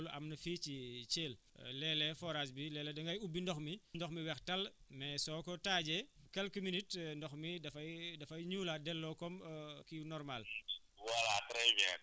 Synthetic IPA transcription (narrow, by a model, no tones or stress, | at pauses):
luʔɐmnɐfiːcit͡ʃeːl | lɛːlɛfɔɾas̬bilɛːlɛdɐŋɡɐjubːindɔxmindɔxmiwɛxtɐlmɛsɔːkɔtaːɟɛkɛlkuminitndɔxmidɐfɐjdɐfɐjɲuːladɛlːɔkɔmkinɔrmal | wɐlatɾɛd͡ʒɛ